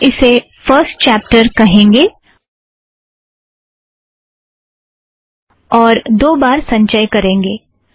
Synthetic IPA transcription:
ɪse | fəɾsʈt͡ʃɛːp̚ʈəɾkɐɦẽːŋɡeː | ɔːɾd̪oːbaːɾsɐ̃ɲt͡ʃəjkɐɾẽːŋɡeː

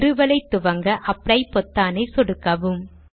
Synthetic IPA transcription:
ɾɯʋɐlɐɪt̪ːʊʋɐŋɡɐʔɐpːɽɐɪpːɔt̪ːaːneːsɔɽɯkːɐʋɯm

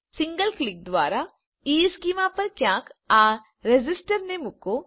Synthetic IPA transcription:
sɪ̃ŋɡəlklɪk̚d̪ʋaːɾa | iːskiːmapɐɾkjãːkaː | ɾed͡ʒɪsʈəɾnemʊko

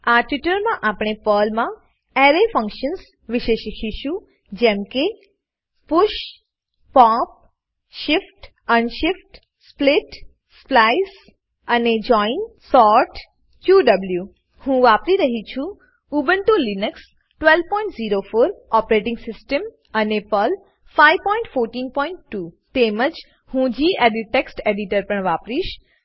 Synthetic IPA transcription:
aʈʋɪʈəɾmãʔapɳ̃epəːlmã | ɛɾefə̃ŋkʃəns | ʋɪʃeʃikʰiʃũ | d͡ʒɛ̃mke | pʊʃ | pɔ̃p̚ | ʃɪfʈ | ənʃɪfʈ | splɪʈ | splais | əned͡ʒɔinsɔɾʈ | t͡ɕuːɖɐblju | hũːʋapɾiɾəɦit͡ʃʰũ | uːbənt̪ũlinəks | ʈʋelʋpɔ̃ɪ̃ɳʈziːɾofoːɾɔpɾeʈɪ̃ŋɡsɪsʈəm | ənepəl | faiʋpɔɪ̃ɳʈfoːɾʈiːnpɔːɪɳʈːuːt̪eːməd͡ʑ | hũd͡ʒʱiːʔeɖiʈeksʈeɖiʈəɾpɐɳ̃ʋaːpɾiːʃ

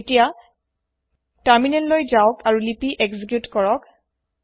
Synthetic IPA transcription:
etija | taɹminɛnlojzaʊkaɹulipiʔɛkzik̬jutkɔɹɔk

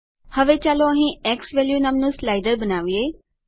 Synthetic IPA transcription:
həʋet͡ʃaːloɐɦĩɛːksʋeːljunəmnũslaːɪɖəɾbənaːʋieː

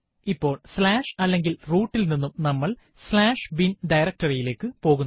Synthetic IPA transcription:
ipːo̞ːɭslaːʂɐlːe̞ŋɡilruːʈːilninːumnɐmːɐɭ | slaːʂʋinɖɐjɾɐk̚tɐrijile̞ːkːɨpo̞ːɣunːɐ

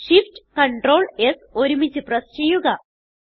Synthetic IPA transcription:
ʂifʈkɐɳʈro̞ːɭeso̞ɾumit͡ɕːɨprɐst͡ɕe̞jːuɣɐ

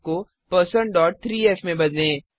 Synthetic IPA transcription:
ko | pəɾsəɳɖɔːʈ̚t̪ʰɾiːɛːfmẽbɐd̪lẽː

